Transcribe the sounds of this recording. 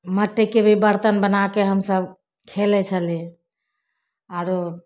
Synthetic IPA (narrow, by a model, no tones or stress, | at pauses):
məʈːekebʱibəɾt̪ənbənakeɦəmsəbʱ | kʰelɛt͡ʃʰəli | aɾo